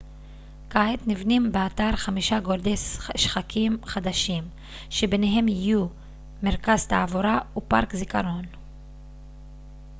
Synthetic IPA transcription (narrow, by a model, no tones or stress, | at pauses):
kaet̪nivnimbeat̪aɾχamiʃaɡoɾd̪eʃχakʰimχad̪aʃim | ʃe̞beneɦe̞mjiju | meʁkazt̪aːvoɾaupa̰ʁkzikaɾo̞n